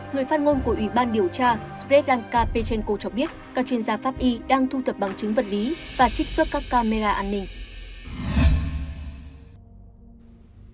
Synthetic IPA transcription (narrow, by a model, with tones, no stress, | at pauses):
ŋɨ˨˩əjfaː˦˥t̚ŋo˧nku˧˩əʔwi˧˩ɓaː˧nɗi˨˩əwt͡ɕaː˧sfɛ˦˥t̚laː˧nkaː˧pe˧t͡ɕɛ˧nko˧t͡ɕɔ˧ɓi˦˥ət̚kaː˦˥k̚t͡ɕwi˧ənzaː˧faː˦˥p̚ʔi˧ɗaː˧ŋt̪ʰu˧t̪ʰə˨˩p̚ɓa˨˩ŋt͡ɕɨ˨˦ŋ̟və˨˩t̚li˨˦vaː˨˩t͡ɕï˦˥k̟̚swə˦˥t̚kaː˦˥kːaː˧me˧zaː˧ʔaː˧nːï˧ŋ̟